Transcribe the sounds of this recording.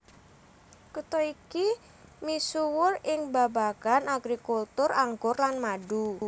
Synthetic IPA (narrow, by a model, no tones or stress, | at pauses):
kut̪ɔiki | misuwʊrɪŋbabaɡ̥anaɡɾikult̪ʊraŋɡʊrlanmaɖu